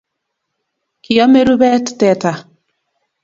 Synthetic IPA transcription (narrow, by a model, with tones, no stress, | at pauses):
kɪ˨jɔ˦me˦ɾu˦βɛ˦ttɛ˨ta˨